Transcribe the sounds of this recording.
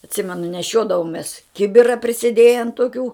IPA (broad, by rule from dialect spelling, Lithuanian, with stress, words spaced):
ɐtʲˈsʲɪmʲɛnʊ nʲɛˈʃʲoːdɐʋoːmʲeːs ˈkʲɪbʲɪrɐ pʲrʲɪsʲeːˈdʲeːjɛn toːˈkʲuː